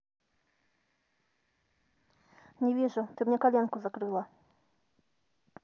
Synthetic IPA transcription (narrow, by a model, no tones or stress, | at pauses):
ɲɛvʲjɛʐɛt̪ɘmɲɛkalʲjaŋkuzakɾɘwa